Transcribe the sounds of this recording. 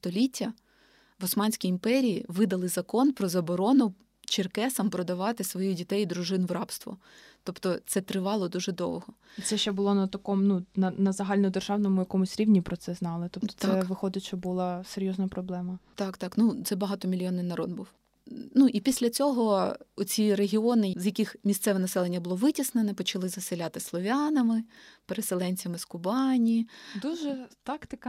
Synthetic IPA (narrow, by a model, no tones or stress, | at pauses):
st̪ɔlʲitʲːɐ | ʋɔsmɑnʲsʲkʲiimpɛɾʲijḭʋɪd̪ɐlˠɪzɐkɔnpɾɔzɐbɔɾɔnʊ | t͡ʃɪrkɛsɐmpɾɔd̪ɐʋɑt̪ɪsʋɔjudʲit̪ɛjid̪ɾʊʒɪnʋɾɑpst̪ʋɔ̰ | t̪ɔpt̪ɔt̪sɛt̪ɾɪʋɑlˠɔd̪uʒɛd̪ɔ̰wɦɔit̪sɛʃt͡ʃɛbʊlˠɔnɐt̪ɐkɔmnunɐnɐzɐɦɑlʲnɔd̪erʒɑwnɔmʊjɐkɔmʊsʲɾʲiʋnʲipɾɔt̪sɛznɑlˠɪt̪ɔpt̪ɔ̥t̪sɛʋɪxɔd̪ɪt͡ʃɔbʊlˠɑseɾʲjɔznɐpɾɔblˠɛmɐt̪ɑkt̪ɑknut̪sɛbɐɦɑt̪ɔmʲilʲjɔnɪnɐɾɔd̪̚buw | nuʔipʲisʲlʲɐt͡sʲɔɦɔʊt͡sʲiɾeɦʲiɔnɪzjɐkɪxmʲist̪sɛʋɛnɐsɛlˠenʲːɐbʊlˠɔʋɪtʲisnenɛpɔt͡ʃɐlˠɪzɐselʲat̪ɪslˠɔʋʲanɐmɪpeɾeselˠɛnʲt͡sʲɐmɪskʊbɑnʲid̪uʒɛt̪ɑkt̪ɪk